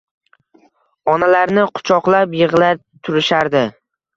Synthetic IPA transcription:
ɒnalaɾnɪqʰʊ̥t͡ʃʰɒqlˠapjɨʁlat̪ʰʊɾɪʃaɾd̪ɪ

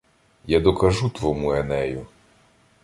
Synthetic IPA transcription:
jad̪ɔkɐʒut̪ʋɔmuɛnɛjʊ

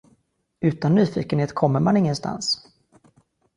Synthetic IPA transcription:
ʉ̟ːt̪anːyːfḭːkənheːt̪kʰɔmːəɾmanɪŋːənst̪a̰ns

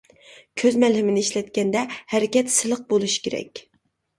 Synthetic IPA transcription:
kʲʰøzmɛlɦɪmɪnɪiʃlɛt̪̚kʲɛnd̪ɛhæɾɪkʲɛt̪sɨlˠəq̚bolˠuʃi̥kʲeɾɛ̰kʲ

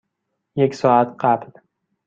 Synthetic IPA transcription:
jecsɒːæt̪ɢæbl

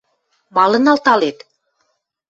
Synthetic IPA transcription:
mɑlɤ̆nɑlt̪ɑlet̪

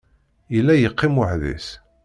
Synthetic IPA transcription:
jəlːæjəqʰːiməħðḭs

